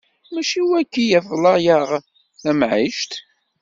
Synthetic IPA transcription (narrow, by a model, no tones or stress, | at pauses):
mæʃiwækːijæflˤɑjəʁ | θæmʕiʃt̪